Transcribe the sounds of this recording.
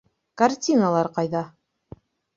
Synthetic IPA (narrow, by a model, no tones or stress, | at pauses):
kartʲinalˠɑɾqɑjðɑ